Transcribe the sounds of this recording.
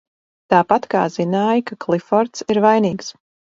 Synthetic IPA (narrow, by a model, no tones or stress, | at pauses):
t̪aːpat̪ka̰ːz̥inaːjkaklˠifɔɾt̪siɾvajniːks